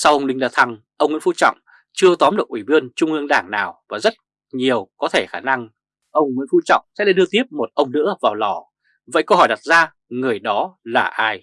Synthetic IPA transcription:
sa˧wʔə˧wŋ͡mlï˧ŋ̟ɗaː˧˩t̪ʰa˧ŋ | ʔə˧wŋ͡mwḭ˧˥˦fu˧˦t͡ɕɔ̰˧˨wŋ͡m | t͡ɕɨ˧ət̪ɔ˨˦mɗɨ̰˨˩k̚ʔi˧˩ɓɨ˧ənt͡ɕʊ˧ŋ͡mʔɨ˧əŋɗaː˧˩ŋnaː˨˩wvaː˨˩zə˦˥t̚ | ɲi˨˩əwkɔ˨˦t̪ʰe˧˩xaː˧˩na˧ŋ | ʔə˧wŋ͡mwḭ˧˥nfu˧˥t͡ɕɔ̰˧˨wŋ͡msɛ̰˧˥laː˧˨ɗɨ˧ət̪i˦˥əp̚mo˨˩t̚ʔə˧wŋ͡mnɨ̰˧˥əvaː˨˩wlɔ˧˩ | və̰˧˨jkə˧whɔː˧˩jɗa˨˩t̚zaː˧ | ŋɨ˨˩əjɗɔ˨˦laː˨˩ʔaː˧j

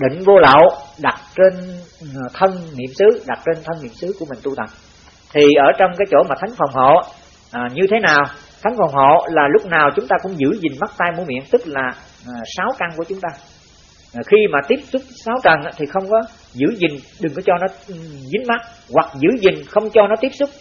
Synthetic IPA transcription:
ɗḭ̈˧˨ŋ̟vo˧lə̰ː˧˨wɗa˨˩t̚t͡ɕe˧n | t̪ʰə˧nnḭ˧˨əmsɨ˨˦ɗa˨˩t̚t͡ɕe˧nt̪ʰə˧nːḭ˧˨əmsɨ˨˦ku˧˩əmï˨˩ŋ̟t̪u˧t̪ə˨˩p̚ | t̪ʰi˨˩ʔəː˧˩t͡ɕɔ˧wŋ͡mkaː˨˦jt͡ɕo˧˩maː˨˩a˨˦jŋ̟fə˨˩ŋ͡mɦo̰˧˨˩ | ɲɨ˧t̪ʰe˨˦naː˨˩w | t̪ʰa˨˦jŋ̟fə˨˩wŋ͡mɦo̰˧˨laː˨˩lʊ˦˥k͡p̚naː˨˩wt͡ɕʊ˨˦ŋ͡mt̪aː˧kʊ̰˧˥ŋ͡mzɨ̰˧˩zï˨˩ŋ̟ma˦˥k̚t̪aː˧jmu˧˦mḭ˧˨ənt̪ɨ˦˥k̚laː˨˩ | saː˨˦wka˧ŋku˧˩ət͡ɕʊ˨˦ŋ͡mt̪aː˧˨˩ | xi˧maː˨˩t̪i˦˥əp̚sʊ˦˥k͡p̚saː˨˦wt͡ɕə˨˩nʔaː˧˦t̪ʰi˨˩xə˧wŋ͡mkɔ˨˦ | zɨ̰˧˩˥zï˨˩ŋ̟ɗɨ˨˩ŋkɔ˨˦t͡ɕɔ˧nɔ˨˦zi˨˦ŋma˦˥t̚ | ɣwa˨˩k̚zɨ̰˧˥zï˨˩ŋ̟xə˧wŋ͡mt͡ɕɔ˧nɔ˨˦t̪i˦˥əp̚sʊ˦˥k͡p̚

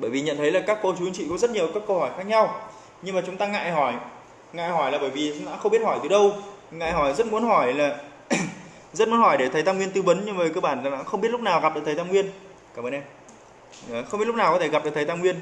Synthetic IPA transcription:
ɓəː˧˩jvi˨˩ɲə̰˧˨nt̪ʰə˨˦jlaː˨˩kaː˦˥kːo˧t͡ɕu˨˦i˧ŋt͡ɕḭ˧˨kɔ˨˦zə˦˥t̚ɲi˨˩ə˩wkaː˦˥kːə˧whɔ˧˩jxaː˦˥k̚ɲa˧w | ɲɨ˧ŋmaː˨˩t͡ɕʊ˨˦ŋ͡mt̪aː˧ŋa̰ː˧˨jɦɔ˧˩j | ŋa̰ː˧˨jhɔ˧˩jlaː˨˩ɓəː˧˩jvi˨˩˨ɗa̰ː˧˥xə˧wŋ͡mɓi˦˥ət̚hɔ˧˩jt̪ɨ˨˩ɗə˧wŋa̰ː˧˨jɦɔ˧˩jzə˦˥t̚mu˨˦ənɦɔ˧˩jlaː˨˩ | zə˦˥t̚mu˨˦nhɔ˧˩jɗe˧˩t̪ʰə˨˦jt̪aː˧ŋwi˧ənt̪ɨ˧ɓə˨˦nɲɨ˧ŋməː˨˩jkəː˧ɓaː˧˩n˨˩ɗaː˧˥xə˧wŋ͡mi˦˥t̚lʊ˦˥k͡p̚naː˨˩wɣa˨˩p̚ɗəː˨˩t̪ʰːt̪aː˧ŋwi˧ən | kaː˧˩məː˧nʔɛ˧mː˨˩ | xŋ͡mi˦˥l̚naː˨˩kɔ˨˦t̪ʰe˧˩ɣa˨˩p̚ɗəː˨˩t̪ʰə˨˩jt̪aː˧mŋwi˧ən

